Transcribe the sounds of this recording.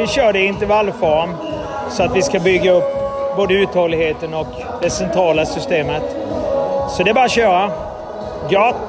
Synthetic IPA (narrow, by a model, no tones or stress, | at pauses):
ɪɕœːɖɛɪnt̪əɾvalːfɔɾm | sɔat̪vɪskabʏɡːaɵpːboːd̪əʉ̟ːt̪hoːlːɪɡheːt̪ənɔk | d̪ɛsɛnt̪ʰɾɑːlasʏst̪eːmət̪ | sɔd̪ɛbɑːɾaɕœːɾa | ɡɑ